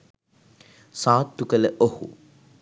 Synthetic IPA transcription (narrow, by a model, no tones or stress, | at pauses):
sãːt̪ːukələʔohṵ